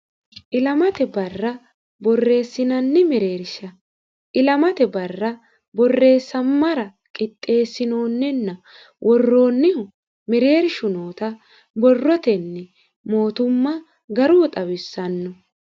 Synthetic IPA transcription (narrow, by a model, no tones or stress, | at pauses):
ʔɪlɐmɐt̪ɛbɐrːɐ | bɔrːe̞ːsːɪnɐnːɛmɛɾe̞ːɾɪʃɐ | ʔɪlɐmɐt̪ɛbɐrːɐ | bɔrːe̞ːsːɐmːɐɾɐ | kʼɪt̪ʼːe̞ːsːɪno̞ːnːɛnːɐ | wʔɔrːo̞ːnːɛ | mɛɾe̞ːɾʃʊnoːt̪ɐ | bɔrːɔt̪ɛnːɛ | mo̞ːt̪ʊmːɐ | ɡɐɾuːt̪ʼɐwɪsːɐnːɔ